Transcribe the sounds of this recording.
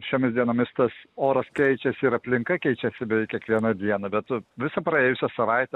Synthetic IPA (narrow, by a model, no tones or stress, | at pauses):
ʃʲoːmʲɪsd̪ʲiɛnomʲɪst̪ɐsoːɾɐskʲɛɪt͡ʃʲɛsʲɪɪɾɐpʲlʲɪŋkɐkʲɛɪt͡ʃʲɛsʲɪbʲɛkʲiɛkʋʲiɛnɐd̪ʲiɛnɐbʲɛt̪ʋʲɪsɐpɾɐeːjʊsʲɛsɐʋɐɪt̪ʲɛ